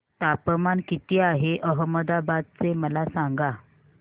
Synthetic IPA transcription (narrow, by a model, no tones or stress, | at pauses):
t̪apəmankit̪iːaɦeʔəɦəməd̪abad̪̚t͡seməlasaŋɡa